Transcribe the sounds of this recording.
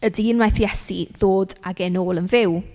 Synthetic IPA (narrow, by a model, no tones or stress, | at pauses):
ədiːnwajθjɛsiðoːdaɡenoːlˠənvɪw